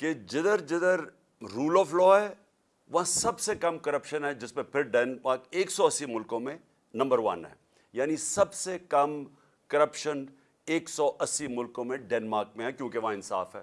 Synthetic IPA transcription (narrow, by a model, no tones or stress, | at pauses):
ked͡ʒɪd̪əɾd͡ʒɪd̪əɾ | ɾuːlɔːflɔːɦɛː | ʋɐɦãsɐbsekɐmkɐɾəpʃənɦɛd͡ʒɪsmẽpʰɪɾɖɛːnmaːɾkeːksɔɐsːimʊlkõmẽ | nɐ̃mbəɾʋɐ̰nɦɛ̰ː | jaːnisɐbsekɐm | kɐɾəpʃən | eːksɔːʔɐsːimʊlkõmẽɖɛːnmaːɾk̚mẽɦɛkjõːkeʋɐɦãɪnsa̰ːfɦɛ̰ː